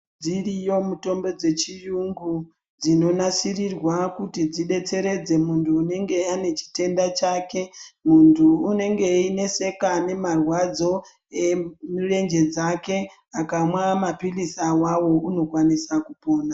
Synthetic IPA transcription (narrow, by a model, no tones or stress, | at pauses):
d͡zirijo̞muto̞mbe̞d͡ze̞t͡ʃijuŋɡu | d͡zino̞nasirirwakutid͡ziɗe̞t͡se̞ɾe̞d͡ze̞muntʰuːne̞ŋɡe̞ane̞t͡ʃi̥te̞ndat͡ʃaːke̞muntʰuːne̞ŋɡe̞ine̞se̞kane̞marwad͡zo̞ | emure̞nd͡ʒe̞d͡zake̞ | akamwamapilisawawo̞uno̞kwanisakupo̞ːna